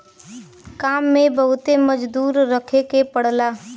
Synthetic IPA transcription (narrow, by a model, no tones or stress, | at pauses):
kaːmːẽbəɦʊt̪eməd͡ʒd̪uːɾːəkʰekepəɽlaː